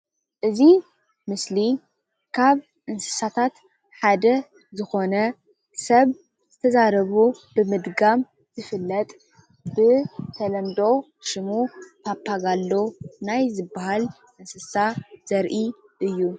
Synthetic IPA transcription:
ʔɨzi | mɨsli | kʰaβ | ʔɨnsɨ̥sat̪ʰat̪ | ħad̪ɐ | zɨxo̞nɐ | sɐβ | zɨt̪ʰɐzaɾɐβubɨmɨd̪ɡam | z̥ɨfɨlːɐt̪ʼ | bɨt̪ʰɐlɐnd̪o̞ | ʃɨmupʰapʰːaɡalːo̞najzɨbːahal | ʔɨnsɨsaz̥ɐɾʔi | ʔɨjːu

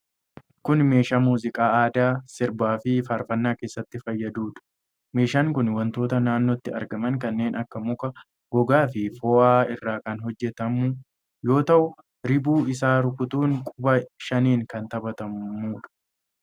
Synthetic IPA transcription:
kʊnme̞ːʃaːmuːzɪkʼaːaːd̪aːsɪɾbaːfɪfaːɾfɐnːaːke̞ːsːɐt̪ːɪfɐjːɐd̪uːᶑɐ̥ | me̞ːʃaːŋkʊnwɐnt̪o̞ːt̪ɐnaːnːɔt̪ːɪɐ̰ɾɡɐmɐŋkɐnːe̞ːnʔɐkːɐmʊkɐ | ɡ̥ɔɡaːfɪfɔːʔaːɪrːaːkɐnɦɔd͡ʒːɛt̪ɐmʊ | jo̞ːt̪ɐʔʊ | ɾɪbuːɪsaːɾʊkʊt̪uːŋkʼʊbɐʃɐniːŋkɐnt̪ɐbɐt̪ɐmːuːᶑɐ̥

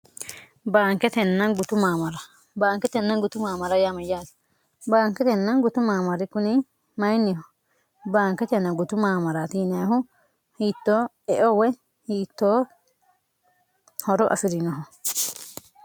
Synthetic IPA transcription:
baːŋkɛt̪ɛnːɐnɡʊt̪ʊmaːmɐɾɐ | baːŋkɛt̪ɛnːɐɡʊt̪ʊmaːmɐɾɐjamɐjaːs | baːŋkɛt̪ɛnːɐnɡʊt̪ʊmaːmɐɾɪkʊnɪ | mɐjnːɪhɔ | baːŋkɛt̪ɛnːɐɡʊt̪ʊmaːmɐɾat̪inɪjaɦʊ | hiːt̪ːoː | ɛʔɔwɛ | hiːt̪ːoː | hɔɾɔʔɐ̰fɪɾɪnɔɦɔ

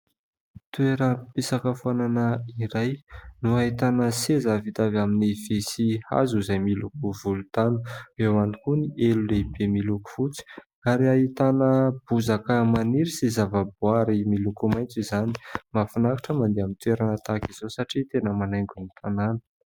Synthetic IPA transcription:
t̪ueɾəpesakəfuananəiɾajnuaɦit̪anəsezavit̪avaminivesiha̰zuizajmilukuvulut̪anuewanikunielulebemiluku̥fut͡si̥ | aɾiaɦit̪anəb̥uzakəmaniɾisizavəbuaɾimilukumajnt͡sizani̥mafunakḁʈ͡ʂəmand̪eamint̪weɾanət̪akiz̥osaʈ͡ʂit̪enəmanajŋɡunit̪ʰananə̥

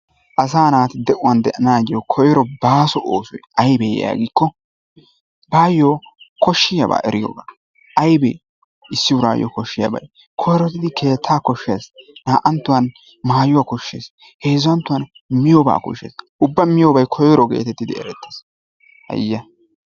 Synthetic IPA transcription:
ʔɐs̬aːnaːt̪ɪd̪ɛʔʊwɐnd̪ɛʔɐnaːɡɪjɔkʰɔjɔɾɔbaːsɔʔoːsʊjʔɐjbɛja̰ːɡikːɔ | baːjoːkɔʃːɪjɐba̰ːʔɛɾɪjo̰ːbaː | ʔɐjbɛ̰ | ɪsːɪwʊɾa̰ːjɔ̰kɔʃːɪjɐ̰bɐ̰j | kʰɔjɾɔt̪ːɪd̪ɪkʰe̞ːt̪ʰːaːkɔʃːeːsnaːʔɐnt̪ːʊwɐn | maːjʊwakɔʃːḛːs | he̞ːzɐnt̪ːʊwɐn | mɪjɔba̰ːkɔ̰ʃːeːs | ʊbːɐmɪjɔbɐjkʰɔjɾɔɡḛːt̪ɛt̪ːɪd̪ɪɛ̰ɾɛt̪ːeːs | hɐ̰jːɐ

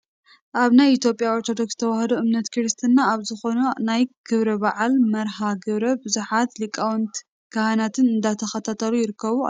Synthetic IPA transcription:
ʔaβnajit̪ʰjo̞pʼjaoɾt̪ʰo̞d̪o̞kst̪ʰɐwahɐd̪oʔɨmnɐt̪kʰɨɾɨst̪ʰɨnːaːβzɨxo̞nunajɡ̥ɨβɾɐbaʕalmɐɾɦaɡɨβɾɐbɨzuħat̪likʼawnt̪ | kɐhanat̪ʰɨnɨnd̪at̪ʰɐxɐt̪ʰat̪ʰɐlujɪɾɨkːɐβua̰

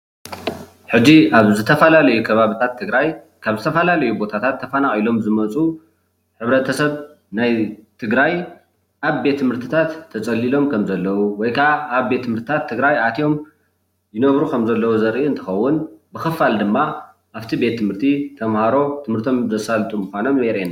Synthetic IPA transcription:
ħɨd͡ʒiʔaβzɨt̪ʰɐfɐlalɐjukʰɐβaβɨt̪ʰat̪ʰːɨɡɾaj | kʰaβzɨt̪ʰɐfɐlalɐjubo̞t̪ʰat̪ʰat̪ʰːɐfɐnaχʼilo̞mzɨmɐt͡sʼu | ħɨβɾɐt̪ʰɐsɐβ | najt̪ʰɨɡɾaj | ʔaβbe̞t̪ʰːɨmhɨɾt̪ʰɨ̥t̪ʰat̪ʰːɐt͡sʼɐlːilo̞mkʰɐmzɐlːɐwuwɔjkʰaːβbe̞t̪ːɨmhɨɾt̪ʰɨt̪ʰat̪ʰːɨɡɾajat̪ʰio̞m | jɪnɐβɾukʰɐmzɐlːɐwuzɐɾʔiuɨnt̪ʰɨ̥xɐwːʊnbɨxɨfald̪ɨmːa | ʔaβt̪ʰibe̞t̪ʰːɨmɨɾt̪ʰit̪ʰɐmhaɾo̞t̪ʰɨmhɨɾt̪ʰo̞mzɐsalt̪ʼumːuxʷano̞mjeɾen

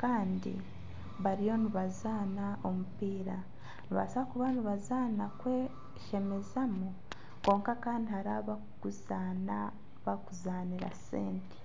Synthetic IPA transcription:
kaːndḭ | βaɾijo̞niβazaːnao̞mupiːɾa | niβa̰saβakuβaniβazaːnakwe | ʃe̞me̞zamu | ko̞ːŋkakaːndihaɾaβa | kuzana | βakuzaːniɾa̰sḛːnte̥

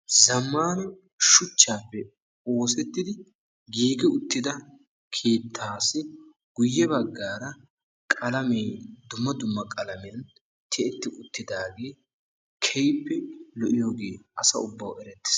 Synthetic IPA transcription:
zɐmːaːnɛ | ʃʊt͡ʃːaːpːɛ | o̞ːsɛt̪ːɪd̪ɪ | ɡiːɡɛʊt̪ːɪd̪ɐ | kʰeːt̪ʰːaːsɪ | ɡ̥ʊjːɛbɐɡːaːɾɐ | kʼɐlɐmɛjd̪ʊmːɐd̪ʊmːɐkʼɐlɐmɛɐn | t̪ʰɛɛt̪ːɪʔʊt̪ːɪd̪aːɡe̞ː | kʰɛjpːɛlɔʔɪjo̞ːɡe̞ːʔɐsɐ̰ʊ̰bːɐwɛɾɛt̪ːɪ̥s

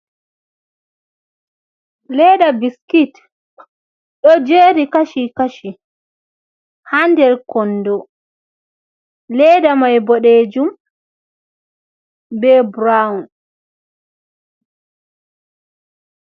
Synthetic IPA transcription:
lɛɗabiskit | ɗɔd͡ʒeːɾikaʃikaʃi | handɛɾkɔnːdɔ | lɛdamajbɔɗed͡ʒum | bɛbɾaun

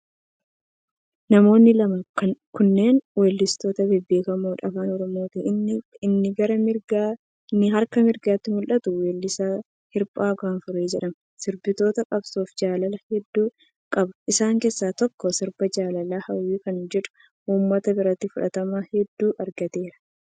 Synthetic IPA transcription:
nɐmo̞ːnːɪlɐmɐkɐkʊnːe̞ːnwelːɪst̪o̞ːt̪ɐbebeːkɐmoːᶑɐfaːnɔɾɔmo̞ːt̪ɪɪnːɪɡɐɾɐmɪɡa | nːɪɦɐɾkɐmɪɾɡaːt̪ːɪmʊlʔɐt̪ʊweːlːɪsa | hɪɾpʼaːɡaːnfʊɾeːd͡ʒɛᶑɐmɐ | sɪɾbɪt̪o̞ːt̪ɐkʼɐbsoːfd͡ʒaːlɐlɐhɛd̪ːuː | kʼɐbɐ̥ɪsaːŋkeːsːaːt̪ɔkːɔsɪɾbɐd͡ʒaːlɐlaːhɐwːiːkɐnd͡ʒɛᶑʊ̥ | ʔuːmːɐt̪ɐbɪɾɐt̪ːifʊᶑɐt̪ɐmaːhɛd̪ːuːʔɐɾɡɐt̪e̞ːɾɐ̥

